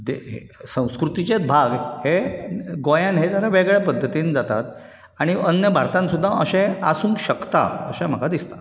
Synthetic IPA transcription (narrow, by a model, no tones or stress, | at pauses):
d̪eɦḛ | sə̃w̃skɾut̪it͡ɕet͡sbʱaɡheɡojãnɦed͡zaɾaʋeɡɭɛpəd̪ʱːət̪iːnd͡zat̪a̰t̪ | aɽ̃iənjəbʱaɾt̪ãnsud̪ʱːaʔəɕẽasũːnɕəkt̪a̰ə̰ɕãm̤əkad̪ist̪ḁ